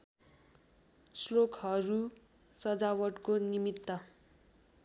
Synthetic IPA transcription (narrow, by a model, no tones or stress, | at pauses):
slokʰɦʌɾu | sʌd͡zawʌʈkonimit̪ːʌ